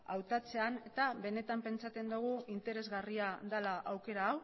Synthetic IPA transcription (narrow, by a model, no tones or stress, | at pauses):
a̰wt̪at͡se̞ane̞t̪aβe̞ne̞t̪ampe̞nt͡sat͡s̪e̞nd̪uɣ̞uint̪e̞ɾe̞zɣariaðalaʔawke̞ɾaːw